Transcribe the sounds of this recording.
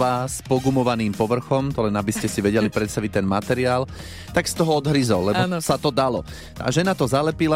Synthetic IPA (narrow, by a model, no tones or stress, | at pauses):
aːspɔɡumɔʋaniːmpɔʋr̩xɔmt̪ɔlɛnabiscɛsiʋɛɟɛlipɾɛt̪st̪aʋic̚t̪ɛnmat̪ɛɾiaːl | t̪akst̪ɔɦɔɔd̪ɦɾizɔlːɛabɔnsat̪ɔd̪alɔ | a̰ʒɛnat̪ɔzalɛpila